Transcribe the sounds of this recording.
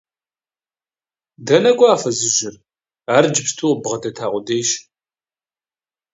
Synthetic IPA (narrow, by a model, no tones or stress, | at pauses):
dɐnɐɡʷʼaːfɐzɨʒɪr | aːrd͡ʒɪpstʰuːbʁɐdɐtʰaːʁʷʊdeːjʃ